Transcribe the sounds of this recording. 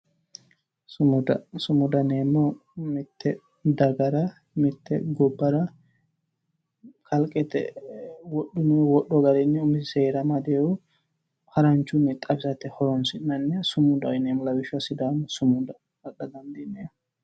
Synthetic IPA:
sd̪sʊmʊd̪ɐneːmːɔmɪt̪ʰːɛ | d̪ɐɡɐɾɐ | mɪt̪ːɛ̰ɡɔbːɐɾɐ | kʰɐlkʼɛt̪ɛ̰wɔɗːʊnɛwɔɗːɔɡɐɾɛnːɛʊmɪsɪseːɾɐmɐd̪eːʊ | hɐɾɐnt͡ʃːʊnːɪt̪ʼɐbsɐt̪ːɛhɔɾɔnsɪnːɐnːɛsʊmʊd̪ɐɪnemɔlɐwɪʃʊɐsɪd̪aːmːɔsʊmʊd̪ɐ | ɐɗɐd̪ɐnd̪ineː

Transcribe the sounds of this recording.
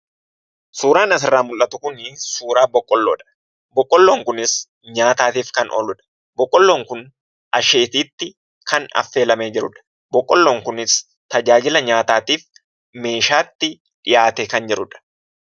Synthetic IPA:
suːɾaːnɐs̬ɪrːaːmʊlʔɐt̪ʊkʊnɪsuːɾaːbɔkʼːɔlːoːᶑɐ̥ | bɔkʼːɔlːoːŋkʊnɪs | ɲaːt̪aːt̪iːfkɐnʔɔ̰lʊᶑɐ̥ | bɔkʼːɔlːo̞ːŋkʊn | ʔɐʃe̞ːt̪iːt̪ːɪ | kʰɐnɐ̰fːe̞ːlɐmeːd͡ʒɪɾʊᶑɐ̥ | bɔkʼːɔlːoːŋkʊnɪs | t̪ɐd͡ʒaːd͡ʒɪlɐɲaːt̪aːt̪iːf | me̞ːʃaːt̪ːɪ | ᶑɪjaːt̪ɛkɐnd͡ʒɛɾʊᶑɐ̥

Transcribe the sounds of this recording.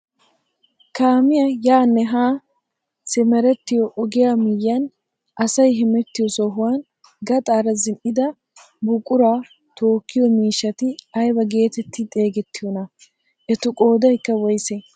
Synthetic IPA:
kaːmɪjɐjaːnːɛɦaː | sɛmɛɾɛt̪ːɪjɔʔɔɡɪjaːmɪjːɐn | ʔɐsɐjɦɪmɛt̪ːɪjɔsɔɦʊwan | ɡɐt̪ʼaːɾɐzɪnʔɪd̪ɐ | bʊkʼʊɾaː | t̪o̞ːkːɪjɔmiːʃːɐt̪ɪɐjbɐɡe̞ːt̪ɛt̪ːɪt̪ʼe̞ːɡɛt̪ːɪjɔnɐ | ʔɛt̪ʊkʼo̞ːd̪ɐjkːɐwɔjsɛ

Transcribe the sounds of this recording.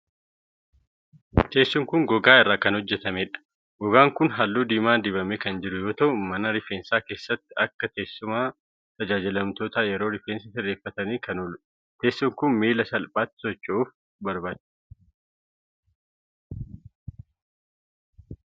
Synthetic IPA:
t̪e̞ːsːʊŋkʊŋɡɔɡaːɪrːaːkɐnhɔd͡ʒːɛt̪ɐmeːᶑɐ̥ | ɡ̥ɔɡaːŋkʊnɦɐlːuːd̪iːmaːd̪ɪbɐmekɐnd͡ʒɪɾʊjo̞ːt̪ɐʔʊmɐnɐɾɪfeːnsaːke̞ːsːɐt̪ːɪɐkːɐt̪e̞ːsːʊmaː | t̪ɐd͡ʒaːd͡ʒɪlɐmt̪oːt̪aːjɛɾo̞ːɾɪfeːnsɐsɪrːeːfːɐt̪ɐniːkɐnʊlʊ | t̪e̞ːsːʊŋkʊnmiːlɐsɐlpʼaːt̪ːɪ̥sɔt͡ʃːʊuːf | bɐɾbaːt͡ʃːʊ̥

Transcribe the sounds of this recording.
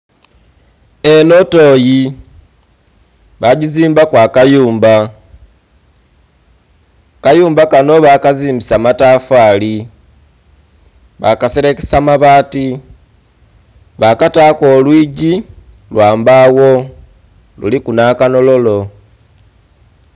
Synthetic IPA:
e̞no̞to̞ːji | βaɟiziːmbakwaːkajuːmba | kajuːmbakano̞βakaziːmbisamatafaːli | βakaseɾeke̥samaβaːti | βakatako̞ːlwiːɟi | lwaːmbaːwo̞ | lṵlikunakano̞lo̞lo̞

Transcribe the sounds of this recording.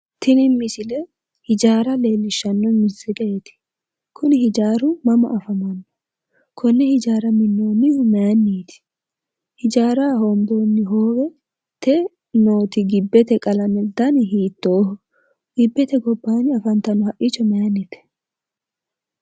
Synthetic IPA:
t̪ʰɪnɪmːɪsɪlɛ | hɪd͡ʒaːɾɐle̞ːlːɪʃːɐnːɔmɪsɛkʼɐjɛt̪ɪ̥ | kʰʊnɪhɪd͡ʒaːɾʊmɐmɐ̰ʔɐfɐmɐnːɔ̥ | kʰɔnːɛhɪd͡ʒaːɾɐmɪnːoːnːɪhʊmɛjanːiːt̪ɪ̥ | hɪd͡ʒaːɾaːɦoːmd̪o̞ːnːɪɦoːwɛ | t̪ɛ | no̞ːt̪ɪɡɪbːɛt̪ɛkʼɐlɐmɛd̪ːɐnɦiːt̪ːoːhʊ | ɡ̥ɪbːɛt̪ɛɡɔbːaːnɪɐfɐnt̪ɐnɔhɐʔɪt͡ʃːɔmɛjanːit̪ɛ̥

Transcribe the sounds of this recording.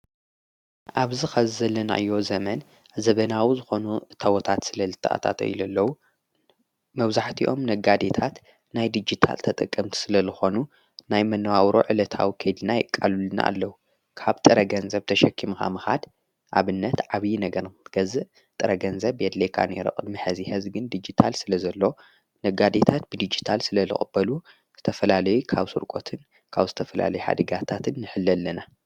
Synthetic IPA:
ʔaβzixɐzɨzɐlːɐna̰ʔɨjːo̞zɐmɐn | zɐβɐnawizɨxo̞nut̪ʰɐwot̪ʰat̪sɨlɐlɨt̪ʰʼːɨʔa̰t̪ʰa̰t̪ɐ̰jlɐlːɐwu | mɐβzaħt̪ʰiʔo̞mnɐɡad̪et̪ʰat̪ | najd̪ɨd͡ʒit̪ʰa̰lt̪ʰɐt̪ʼɨkʼːɐmt̪ʰi̥sɨlɐzɨxo̞nu | najmɐnːɐwawɾo̰ʕɨlɐt̪ʰa̰wikʰejd̪ɨnajɪkʼːa̰lulɨna̰ʔːlːɐwu | kʰaβt̪ʼɨɾɐɡɐnzɐβt̪ʰɐʃɐkʰːimka̰mɨxa̰d̪ | ʔa̰βɨnːɐt̪ʕaβjinɐɡɐɾɡ̥ɐzɨʔ | t̪ʼɨɾɐɡɐnzɐβed̪lekʰa̰nɛɾɨ̰χʼɨd̪mɨħɐzihɨzɡɨnd̪id͡ʒit̪ʰalsɨlɐzɐlːo̞ | nɐɡad̪et̪ʰat̪̚bɨd̪id͡ʒit̪ʰalsɨlɐlɨ̰χʼɨb̥ːɐlu | z̥ɨt̪ʰɐfɐlalɐjukʰaβsɨɾkʼot̪ʰɨn | kʰaβzɨt̪ʰɐfɐla̰lɐjuħa̰d̪ɐɡat̪ʰat̪ʰɨnːɨħɨlːɐlːɐna

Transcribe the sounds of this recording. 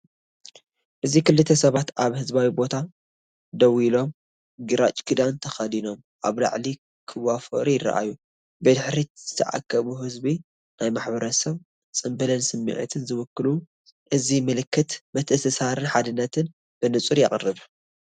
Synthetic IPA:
ʔɨzikɨlːɨt̪ʰːɐsɐβat̪ʔaβhɨzbawibo̞t̪ʰa | d̪ɐwilo̞m | ɡɨɾa̰t͡ʃʼkʰɨd̪ant̪ʰɐxɐd̪ino̞m | ʔa̰βla̰ʕli | kʰɨwafo̰ɾijɪrːɐ̰ʔa̰ju | bɨd̪ɨħɾiz̥ɨ̥t̪ʰɐʕa̰kʰːɐβuɦɨzbi | najmaħbɐɾɐsɐβ | t͡sʼɨmbɨlɐnsɨmːḭʕɨ̰t̪ʰɨnzɨwʊkːɨlu | ʔɨzimɨlɨkːɨt̪mɐt̪ʰɨsɨsaɾɨnħad̪ɨnːɐt̪ʰɨn | b̥ɨnɨt͡sʼuɾja̰χʼrːɨβ

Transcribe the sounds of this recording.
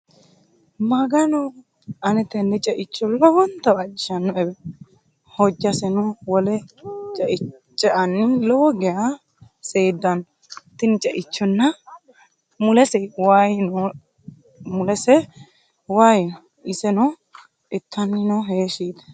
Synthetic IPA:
mɐɡɐnɔ | ʔɐnɛt̪ɛnːɛt͡ʃʼɛʔɪt͡ʃːɔlːɔwɔnt̪ːɐbɐd͡ʒɪʃɐnːɔɛbɛ | hɔd͡ʒːɐsɛnɔwɔlɛt͡ʃʼɛʔɪt͡ʃʼːɛʔɐnːɪlɔwɔɡɛja | seːd̪ːɐn | t̪ːɪnt͡ʃʼɛʔɪt͡ʃːɔnːɐ | mʊlɛsɛwaːjnɔ | mʊlɛsɛ | waːjɪnɔ | ʔɪsɛnɔ | ɪt̪ːɐnːɪnɔɦeːʃiːt̪ɛ̥

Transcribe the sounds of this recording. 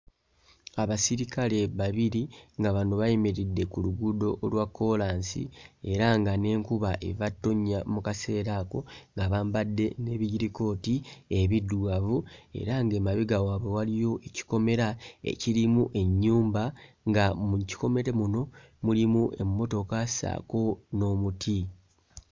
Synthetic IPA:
aβasiɾikale̞βaβiɾiŋɡaβanoβajemeɾidːe̞kuluɡudo̞ʔːlwakːo̞laːnsḭe̞ɾaŋɡane̞ːŋkuβaʔe̞̰vatːo̞ɲːamukase̞ːɾako̞ŋɡaβaːmbadːe̞ne̞ːβiɟiɾiko̞ːtie̞βidːwavue̞̰ɾaŋɡeːmaβiɡawaːβe̞walijo̞ʔe̞ci̥ko̞me̞ɾae̞̰ciɾimuʔe̞ɲːuːmba | ŋɡamuci̥ko̞me̞ɾe̞muno̞ | mulimuʔe̞mːo̞to̞kasa̰ːko̞no̞mutʰi

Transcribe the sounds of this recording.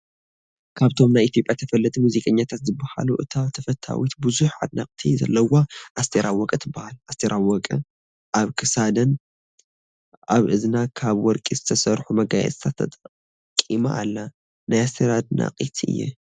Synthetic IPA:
kʰaβt̪ʰo̞mnajit̪jo̞pʼjat̪ʰɐfɐlːɐt̪ʰʼumuzikʼɐɲːat̪ʰat̪zɨbːaha̰luʔɨt̪ʰaβt̪ʰɐfɐt̪ʰːa̰wit̪bɨzuħʕa̰d̪nakʼt̪ʰizɐ̰lːɐwaʔast̪ʰeɾʔawɔkʼɨt̪ʰɨbːahalʔast̪ʰeɾawɔkʼɨ | ʔaβkʰɨsad̪ɐn | ʔaβʔɨznakʰaβwɔɾkʼizɨt̪ʰɐsɐɾħumɐɡajɛ̰t͡sʼt̪ʰat̪ʰɐt̪ʼ | kʼːima̰ʔːlːa | najast̪ʰeɾad̪na̰qʼit̪ʰɨ̰jːɛ̰

